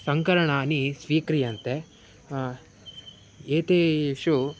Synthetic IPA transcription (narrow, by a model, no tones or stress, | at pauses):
sɐŋkɐɾɐɳɐːnisʋiːkɾijɐnt̪e | eːt̪eʃu